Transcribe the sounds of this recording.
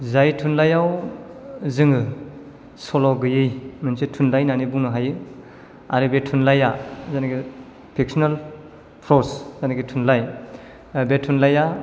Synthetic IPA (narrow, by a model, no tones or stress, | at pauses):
zajtʰunlajaw | zɯŋɯ | sɔlɔɡɯjɯjmɯnsitʰunlajnanibuŋnɯɦajɯ | a̰ɾibetʰunlajazaniɡi | pʰik̚sɔnal | pʰɾɔszaniɡitʰunlaj | betʰunlaja